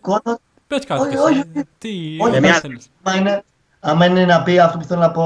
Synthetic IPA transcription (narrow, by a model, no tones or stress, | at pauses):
kono | ooii | oçe | mɐine | ɐmɐinenɐpiɐft̪opuθelonɐpo